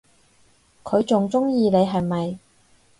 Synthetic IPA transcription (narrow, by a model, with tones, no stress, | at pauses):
kʰɵ˨˧ɥt͡sʊ˨ŋt͡sʊ˥ŋjiː˨˧ne˨˧jɦɐ˨jmɐ˨j